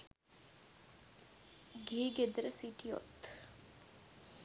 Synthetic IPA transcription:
ɡiːɡed̪əɾəsiʈio̰t̪

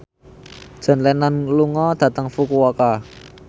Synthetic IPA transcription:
d̥ʒ̥ə̤nlɛnanluŋɔd̪̥ä̤t̪əŋfukuwɔka

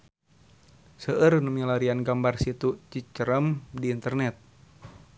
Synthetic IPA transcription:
səʔərnəmilaɾianɡambarsit̪ut͡ʃit͡ʃəɾəmdiːnt̪ərnɛt̪̚

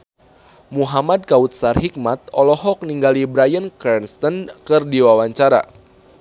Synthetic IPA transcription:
muɦamad̚kaut̪̚sarɦik̚mat̪̚ɔlɔɦɔk̚niŋɡalibɾajənkɛrnst̪ənkɨrdiwawaɲt͡ʃaɾa̰

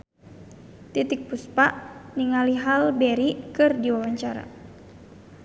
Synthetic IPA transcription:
t̪it̪ik̚puspaʔniŋaliɦalbɛɾikɨrdiwawaɲt͡ʃaɾa̰

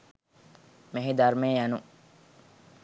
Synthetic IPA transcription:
meɦed̪aɾmeːjanu

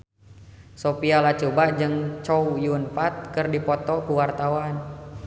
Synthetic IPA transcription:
sopialat͡ʃubad͡ʒɨŋt͡ʃɔwjunfat̪̚kərdipɔt̪ɔkuwart̪awan

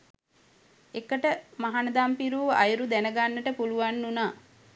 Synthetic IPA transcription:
ekəʈəmaɦanəd̪ampiɾuːa̰juɾud̪ænəɡanːəʈəpuluʋanːunaː

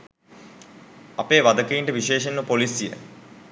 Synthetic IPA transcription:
ɐpeːʋad̪əkəiɳʈəʋiʃeːʃenːəpolisjə̰

